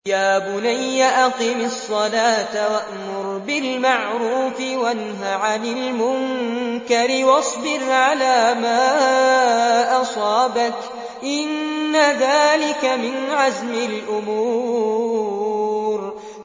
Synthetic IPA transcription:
jaːbʊnajːaʔaqiːmɑsˤːɑlaːt̪awaʔmʊɾbɪlmaʕɾuːfɪwanɦaʕanɪlmʊŋkaɾɪwɑsˤbɪɾʕalaːmaː | ʔɑsˤɑːbak | ʔɪnːaðaːlɪkamɪnʕazmɪlʔʊmuː | ɾ

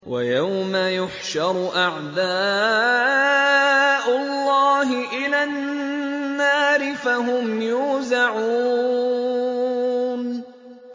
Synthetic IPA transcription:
wajawmajʊħʃɑɾˤʔaʕd̪aː | ʔʊlːɑːɦɪʔɪlanː | aːɾɪfaɦʊmjuːzaʕu | n

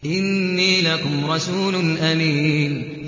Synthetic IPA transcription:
ʔɪnːiːlakʊmɾˤɑsuːlʊnʔamiːn

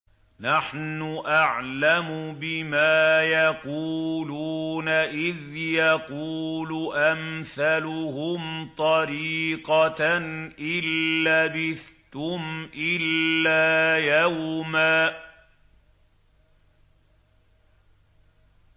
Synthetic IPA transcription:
naħnʊʔaʕlamʊbɪmaːjɑquːluːnaʔɪðjɑquːlʊʔamθalʊhʊmt̪ˤɑɾiːqɑ | ʔɪlːabɪθt̪ʊmʔɪlːaːjawmaː

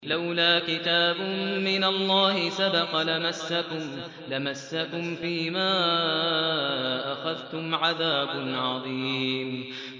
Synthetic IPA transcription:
lawlaːkɪt̪aːbʊmɪnalˤːɑːhɪsabɑqɑlamasːakʊm | lamasːakʊmfiːmaː | ʔaxaðt̪ʊmʕaðaːbʊnʕɑðˤiːm

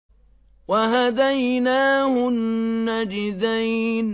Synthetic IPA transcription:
waɦad̪ajnaːhʊnːad͡ʒɪðajn

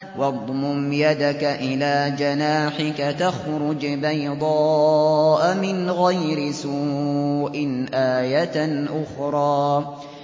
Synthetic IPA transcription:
wɑd̪ˤmʊmjad̪akaʔɪlaːd͡ʒanaːħɪkat̪axɾʊd͡ʒbajd̪ˤɑːʔamɪnɣajɾɪsu | ʔɪnʔaːjat̪ʔʊxɾˤɑː

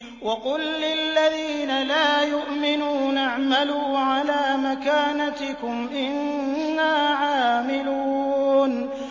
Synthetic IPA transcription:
wɑqʊlːɪlːaðiːnalaːjʊʔmɪnuːnʔaʕmaluːʕalaːmakaːnat̪ɪkʊmʔɪnːaːʕaːmɪlun

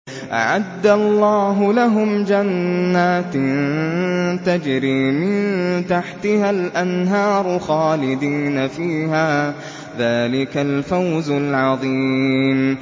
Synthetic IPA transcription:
ʔa̰ʕad̪ːalˤːɑːɦʊlaɦʊmd͡ʒanːaːt̪n | t̪ad͡ʒɾiːmɪnt̪aħt̪ɪhalʔanɦɑːɾˤxaːlɪd̪iːnafiːɦaː | ðaːlɪkalfawzalʕɑðˤiːm

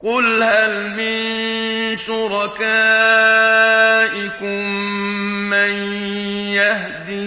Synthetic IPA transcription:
qʊlhal | mɪn | ʃʊɾɑkaː | ʔɪkʊmː | an | jah | d̪i

